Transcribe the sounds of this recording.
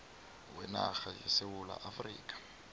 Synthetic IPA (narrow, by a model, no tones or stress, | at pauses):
wɛnaxajesewula̰ʔafrḭːkʼḁ